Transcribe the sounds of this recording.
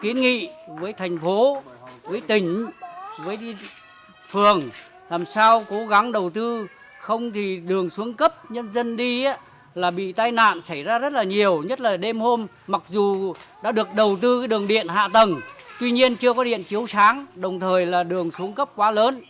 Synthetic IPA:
ki˨˦ənŋḭ˧˨vəː˨˦jt̪ʰa˨˩jŋ̟fo˨˦vəː˨˦jt̪ï˧˩ŋ̟vəː˨˦jɗi˧ | fɨ˨˩əŋ | laː˨˩msaː˧wko˨˦ɣa˨˦ŋɗə˨˩wt̪ɨ˧xə˧wŋ͡mt̪ʰi˨˩ɗɨ˨˩əŋsu˨˦əŋkə˦˥p̚ɲə˧nzə˧nɗi˧ʔa˦ | laː˨˩ɓḭ˧˨t̪aː˧jna̰ː˧˨nsa˧˩jzaː˧zə˦˥t̚laː˨˩ɲi˨˩əwɲə˦˥t̚laː˨˩ɗe˧mho˧m | ma˨˩k̚zu˨˩ɗa̰ː˧˥ɗɨ˨˩ək̚ɗə˨˩wt̪ɨ˧kːɗɨ˨˩əŋɗḭ˧˨ənɦa̰ː˧˨t̪ə˨˩nt̪wi˧ɲi˧ənt͡ɕɨ˧əkɔ˨˦ɗḭ˧˨ənt͡ɕi˨˦əwsaː˨˦ŋɗə˨˩wŋ͡mt̪ʰəː˨˩jlaː˨˩ɗɨ˨˩əŋsu˨˦əŋkə˦˥p̚kwaː˨˦ləː˨˦n

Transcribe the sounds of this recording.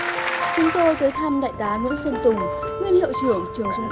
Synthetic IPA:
t͡ɕʊ˨˦ŋ͡mt̪o˧jt̪əː˨˦jt̪ʰa˧mɗa̰ː˧˨jt̪aː˨˦ŋw̰ḭ˧˥ənsə˧nt̪ʊ˨˩ŋ | ŋwi˧ənhḭ˧˨əwt͡ɕɨ˧˩əŋt͡ɕɨ˨˩əŋzʊ˧ŋ͡m

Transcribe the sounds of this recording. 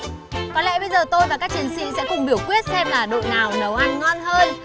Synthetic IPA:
kɔ˨˦lɛ̰˧˥ɓə˧jzəː˨˩t̪o˧jvaː˨˩kaː˦˥k̚t͡ɕi˨˩ənsḭ˧˨sɛ̰˧˥kʊ˨˩ŋ͡mɓi˧˩əwkwi˦˥ət̚sɛ˧mlaː˨˩ɗo̰˧˨jnaː˨˩wnə˨˩wʔa˧nŋɔ˧nhəː˧j

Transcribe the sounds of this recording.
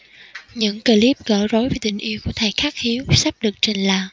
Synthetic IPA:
ɲɨ̰˧˥ŋkə˧˩li˦˥p̚ɣə̰ː˧˩zo˨˦jvaː˨˩jt̪ï˨˩ŋ̟ʔi˨˦əwku˧˩ət̪ʰaː˨˩jxaː˦˥k̚hi˨˦əwsa˦˥p̚ɗɨ˨˩ək̚t͡ɕe˨˩nlaː˧˨˩

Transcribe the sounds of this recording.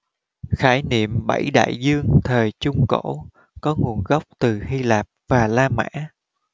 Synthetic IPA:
xaː˧˩jnḭ˧˨əmɓa˧˩jɗa̰ː˧˨jzɨ˧əŋt̪ʰəː˨˩jt͡ɕʊ˧ŋ͡mko̰˧˥ | kɔ˨˦ŋu˨˩ənɣə˦˥wk͡p̚t̪ɨ˨˩hi˧laː˨˩p̚v̥aː˨˩laː˧ma̰ː˧˥

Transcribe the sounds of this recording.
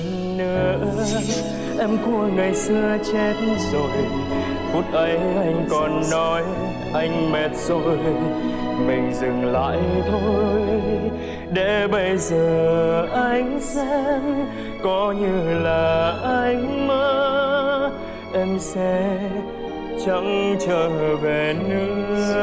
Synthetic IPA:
nɨ˧˩əʔə˧ | ʔɛ˧mku˧əŋa˨˩jsɨ˧ət͡ɕɛ˦˥t̚zo˨˩j | fu˦˥t̚ʔə˨˦jʔa˧jŋ̟kɔ˨˩nːɔ˨˦j | ʔa˧jŋ̟mɛ˨˩t̚z̥o˨˩j | mï˨˩ŋ̟zɨ˨˩ŋla̰ː˧˨jt̪ʰo˧˨˦j | ɗḛ˧˥ɓə˧jzəː˨˩˨ʔa˧jŋ̟saː˧˦˧ŋ | kɔ˨˦ɲɨ˧laː˨˩ʔa˧jŋ̟məː˦ | ʔɛ˧msɛ˧˥ | t͡ɕə˨˦ŋt͡ɕəː˧˩ve˨˩nɨ˧˦

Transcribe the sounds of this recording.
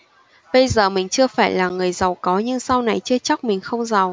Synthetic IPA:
ɓə˧jzəː˨˩mï˨˩ŋ̟t͡ɕɨ˧əfaː˧˩jlaː˨˩ŋɨ˨˩əjza˨˩wkɔ˨˦ɲɨ˧ŋsa˧wna˨˩jt͡ɕɨ˧ət͡ɕa˦˥k̚mï˨˩ŋ̟xə˧wŋ͡mza˨˩w

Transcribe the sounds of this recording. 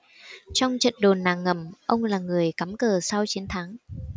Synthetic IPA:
t͡ɕɔ˧wŋ͡mt͡ɕə̰˧˨nɗo˨˩nːaː˨˩ŋːə˨˩mʔə˧wŋ͡mlaː˨˩ŋɨ˨˩əjka˨˦mkəː˨˩sa˧wt͡ɕi˨˦nt̪ʰaː˨˦ŋ

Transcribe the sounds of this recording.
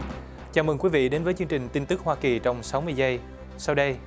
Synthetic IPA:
t͡ɕaː˧˩mɨ˨˩ŋkwi˨˦vḭ˧˨ɗe˨˦nvəː˨˦jt͡ɕɨ˧əŋt͡ɕï˨˩ŋ̟t̪i˧nt̪ɨ˦˥k̚hwaː˧ki˨˩t͡ɕɔ˧wŋ͡msa˨˦wmɨ˧əjzə˧j | sa˧wɗə˧j

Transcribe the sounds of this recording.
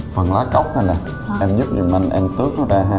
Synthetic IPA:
fə˨˩nlaː˨˦ka˦˥wk͡p̚ha˨˧˩na˨˩ | ʔɛ˧mzu˦˥p̚zi˨˩ma˧ŋʔɛ˧mt̪ɨ˦˥ək̚nɔ˨˦zaː˧ɦaː˧

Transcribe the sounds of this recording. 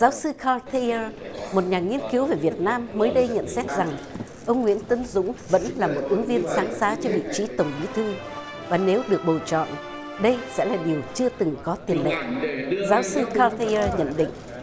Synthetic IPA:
zaː˨˦wsɨ˧kʰa˧t̪ʰi˧əː˧mo˨˩t̚ɲaː˨˩ŋi˧ənki˨˦wve˨˩vi˨˩ət̚naː˧mːəː˨˦jɗə˧jɲə̰˧˨nsɛ˦˥t̚za˨˩ŋ | ʔə˧wŋ͡mŋwḭ˧˥ənt̪ɨ˨˦nzʊ̰˧˥ŋ͡mvə̰˧˥nlaː˨˩mo˨˩t̚ʔɨ˨˦əŋvi˧ənsaː˨˦nsaː˨˦t͡ɕɔ˧vḭ˧˨t͡ɕi˨˦t̪ə˨˩wŋ͡mɓḭ˨˦t̪ʰɨ˧ | vaː˨˩ne˨˦wɗɨ˨˩ək̚ɓo˨˩t͡ɕɔ̰˧˨n | ɗə˧jsɛ̰˧˥laː˨˩ɗi˨˩əwt͡ɕɨ˧ət̪ɨ˨˩ŋkɔ˨˦t̪i˨˩ənlə̰˧˨zaː˨˦wsɨ˧kaː˧t̪i˧əː˧ɲə̰˧˨nɗḭ̈˧˨ŋ̟

